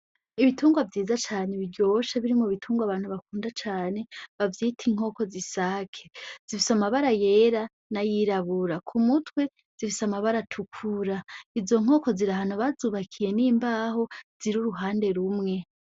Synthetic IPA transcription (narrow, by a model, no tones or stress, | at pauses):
iβituːŋɡwavjiːzat͡ʃaːneβiɾɟo̞ʃaβiɾimoβitʰuːŋɡwaβaːn̥huβakuːndat͡ʃaːne̞βavjiːtʰiŋ̥o̞ːko̞zisakʰe̥z̥ifisamaβaɾaje̞ɾa | najiɾaβuɾakʰumutwe̞ | z̥ifisamaβaɾatʰukʰuɾaizo̞ŋ̥o̞ːko̞ziɾahanoβazuːβakʰije̞niːmbaːho̞z̥iɾuɾuɦaːnde̞ɾumŋe̞